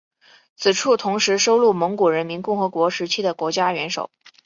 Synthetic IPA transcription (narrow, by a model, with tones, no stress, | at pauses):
t͡sʰɹ̩˨˩ʈ͡ʂʰu˥˩t̪ʰʊ˧˥ŋʂɻ̩˧˥ʂo˥ʊlu˥˩mɤ˧˥ŋku˨˩ɻə˧˥nmi˧˥nkʊ˥˩ŋxɤ˧˥kwɔ˧˥ʂɻ̩˧˥t͡ɕʰi˥d̪ə˨kwɔ˧˥t͡ɕja˥ɥɛ˧˥nʂo̰˨˩˦ʊ